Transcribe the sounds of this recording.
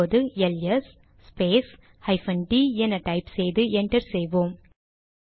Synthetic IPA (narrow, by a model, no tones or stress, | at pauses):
oːðɯɛlɛsː | peːs | hɐɪfɐnɖiːɛnɐʈɐɪpsɛjðɯʔɛɳʈɐɾsɛjʋoːm